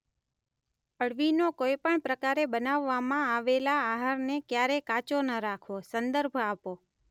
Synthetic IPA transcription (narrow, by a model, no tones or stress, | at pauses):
əɽʋinokojpəɳpɾəkaɾebənaʋːamãaʋelaːɦəɾnekjaɾekat͡ʃonəɾakʰosənd̪əɾbʱapo